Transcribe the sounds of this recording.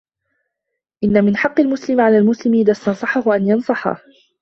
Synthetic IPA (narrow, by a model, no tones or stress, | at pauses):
ʔɪnːamɪnħɑqːɪlmʊslɪmʕalaːlmʊslɪmʔɪðaːst̪ɑnsˤɑħʊhʊʔanjɑnsˤɑħa̰